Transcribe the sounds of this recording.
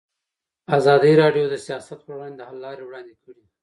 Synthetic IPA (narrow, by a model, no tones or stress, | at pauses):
azɑd̪iɾɑɖjod̪əsijɑsat̪̚pəwɑnd̪əhalːɑɾewɽɑnd̪ekʰəɽi